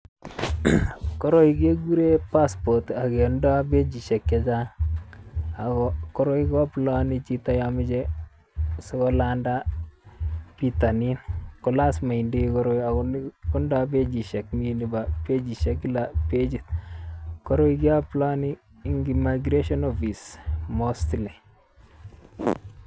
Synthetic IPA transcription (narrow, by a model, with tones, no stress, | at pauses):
kɔ˦ɾo˦ike˦ɡu˦ɾe˦pa˦spɔ˨ta˨ke˨ndɔ˦a˦be˦d͡ʒi˨ʃɛ˨kje˨d͡ʒa˦ŋ | a˨kɔkɔ˦ɾo˦i˦kɔ˦pla˦ni˦t͡ʃita˦jamɪ˦d͡ʒɛ˦ | se˦kɔ˦landa˦ | pi˨ta˨ni˦nkɔ˨la˦sma˨indi˦kɔɾo˦a˨kɔɔ˦ndɔ˦a˦be˦d͡ʒi˨ʃɛ˨kmini˦ba˨pe˦d͡ʒi˨ʃɛ˦ki˦la˨pe˦d͡ʒi˨t̪ | kɔ˦ɾo˦i˦ki˦a˦pla˦niː˦ | ŋɡimaɡɾe˦ʃɔ˦nɔfi˨smostle˨